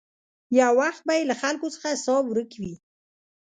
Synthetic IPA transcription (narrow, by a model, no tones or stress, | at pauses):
jawaxt̪̚bajelaxalkot͡sə̥xasɑwɾəkwi